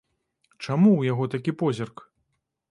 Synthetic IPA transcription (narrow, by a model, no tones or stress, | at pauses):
t͡ʂamuwjaɣɔt̪akʲipɔzʲɛrk